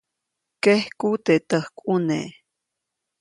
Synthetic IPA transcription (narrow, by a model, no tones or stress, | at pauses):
kehkut̪et̪əhkʷʼunḛ